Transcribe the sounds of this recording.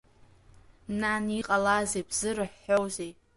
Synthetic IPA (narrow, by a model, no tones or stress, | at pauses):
naniqʼalazejbzɨrɨħːowzej